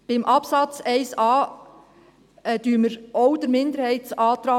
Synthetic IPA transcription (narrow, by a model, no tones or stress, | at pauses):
b̥ɪmʔɑpsɑt͡sɛɪsɑː | ɛd̥̪yːəməɾɔwd̪əɾmɪnd̪əɾhɛɪtsɑːt̪ɾɑː